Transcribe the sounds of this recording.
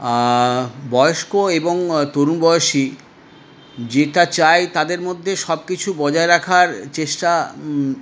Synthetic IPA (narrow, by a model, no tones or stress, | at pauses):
bɔjoʃkoeboŋt̪oɾunbɔeoʃi | d͡ʑeʈat͡ɕajt̪ad̪eɾmod̪ʱːeʃɔbkit͡ɕʰubɔd͡ʑaeɾakʰaɾt͡ɕeʃʈa